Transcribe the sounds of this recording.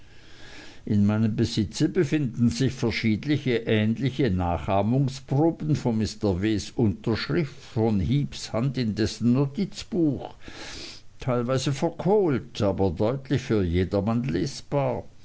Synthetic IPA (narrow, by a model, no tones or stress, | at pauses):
ʔɪnmaɪnəmbəzɪt͡səbəfɪndn̩zɪçfɛɐʃiːdlɪçəʔɛːnlɪçənaːχʔaːmʊŋsb̥ʁʊːpən̩fɔnmɪstɐveːsʔʊntɐʃʁ̥ɪftfɔnhiːpshantɪndɛsn̩ːotʰit͡sb̥uːx | tʰaɪlvaɪzəfɛɐkʰoːltʰaːbɐdɔʏtlɪçfyːɐjeːdɐmanleːsb̥aːɐ